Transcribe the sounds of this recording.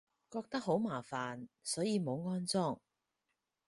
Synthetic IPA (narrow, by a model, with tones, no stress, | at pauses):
kɔː˧k̚t̪ɐ˥k̚ɦo˨˥wmaː˨˩faː˨nsɔː˨˥jiː˨˧mo˨˧wŋɔː˥nt͡sɔː˥˩ŋ